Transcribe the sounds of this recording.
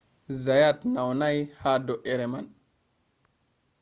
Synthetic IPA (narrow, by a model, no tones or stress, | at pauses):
zajatnawnajhadoʔeɾeman